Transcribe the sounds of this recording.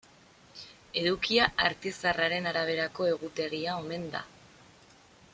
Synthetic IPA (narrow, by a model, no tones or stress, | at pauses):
e̞ðukiaaɾt̪isaraɾe̞naɾaβ̞e̞ɾako̞e̞ɣut̪e̞ɾiao̞me̞nd̪a̰